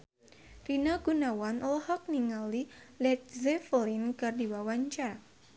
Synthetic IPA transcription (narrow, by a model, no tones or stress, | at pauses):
rinaɡ̥unawanɔlhɔk̚niŋalilɛk̚zɛfəlinɡardiwawaɲt͡ʃar